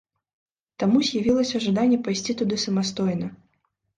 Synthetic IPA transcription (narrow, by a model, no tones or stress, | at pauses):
t̪amuzʲjavʲilˠɐsʲɐʐad̪anʲːɛpajsʲt͡sʲit̪ud̪ɨsɐmast̪ɔjnɐ